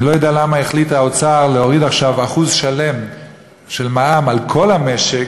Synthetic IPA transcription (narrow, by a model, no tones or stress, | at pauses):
lojodealamaeχlitaot͡saʁleo̞ʁidaχʃavaχuzʃale̞m | ʃe̞lmaamalkʰo̞lhame̞ʃek